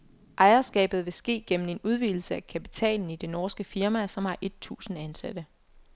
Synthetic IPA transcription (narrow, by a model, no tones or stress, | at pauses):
ʔɑ̈ɪɐsɡ̥ɛ̰ːb̥ð̞̩ˠʋe̝sɡ̥e̝̰ːɡ̥ḛn̩e̝nuð̞ˠʋil̩səækʰæpi̥t͡sʰɛ̰ːln̩id̥e̝nɒːsɡ̥əfiɐmæsɒ̽mhɑ̈ʔe̝d̥̚t͡sʰṵːsn̩ænsæd̥ə